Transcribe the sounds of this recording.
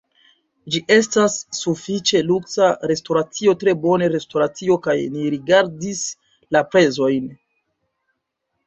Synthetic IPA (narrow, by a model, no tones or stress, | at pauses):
d͡ʒiʔe̞stasːufit͡ʃe̞luksaɾe̞stoɾat͡sio̞tɾe̞bo̞ne̞ɾe̞stoɾat͡sio̞kajniɾiɡaɾdis | lapɾe̞zo̞jn